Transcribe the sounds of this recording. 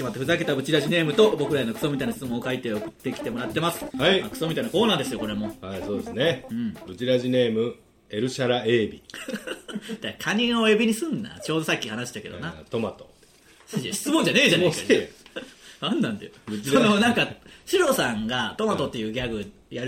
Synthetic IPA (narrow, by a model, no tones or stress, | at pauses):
imat̪ːeɸɯ̟zake̞t̪abɯ̟t͡ɕiɾaʑine̞ːmɯ̟t̪o̞bo̞kɯ̟ɾaenokɯ̥so̞mʲit̪ainaɕi̥t͡sɨmõːokait̪e̞okɯ̟̥t̪ːe̞kʲi̥t̪e̞mo̞ɾat̪ːe̞masɨ̥haimakɯ̟̥so̞mʲit̪ainakoːnaːd̪esɨjo̞ko̞ɾe̞mo̞haiso̞ːd̪esɨneɯ̃ɴbɯ̟t͡ɕiɾaʑine̞ːmɯ̟ | e̞ɾɯ̟ɕaɾaeːbʲḭ | d̪̥akʰaɲ̟io̞ebʲiɲ̟isɨ̃nːa̰t͡ɕo̞ːd̪o̞sakʲːihanaɕi̥t̪ake̞d̪o̰nat̪o̞mat̪o | sɨeɕi̥t͡sɨmõɲd͡ʑaneːd͡ʑane | ãnːãnd̪ḛbɯononãŋkaɕiɾo̞sãŋɡat̪o̞mat̪o̞t̪ːe̞jɯ̟ːɡʲaɡɯ̟ | jaɾ